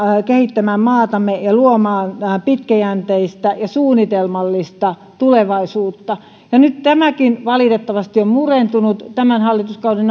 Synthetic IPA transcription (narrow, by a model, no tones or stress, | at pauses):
kehit̪ːæmæmmɑːt̪ɑmːˑejɑluomɑːnpit̪kæjænt̪eist̪æjɑsuːnit̪elmɑlːist̪ɑ | t̪uleʋɑisuːt̪ːɑ | jɑnytt̪æmækinʋɑlit̪et̪ːɑʋɑst̪iommurent̪unut̪t̪æmænhɑlːit̪uskɑudin